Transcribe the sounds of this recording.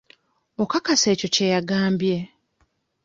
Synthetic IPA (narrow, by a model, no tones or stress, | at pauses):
okakase̞ːco̞cejaɡaːmbje̞